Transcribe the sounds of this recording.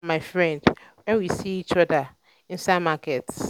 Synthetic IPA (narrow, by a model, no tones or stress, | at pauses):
maɪfɹɛ̃ndwɛ̃nwisiit͡ʃɔda | ĩnsamakʰɛts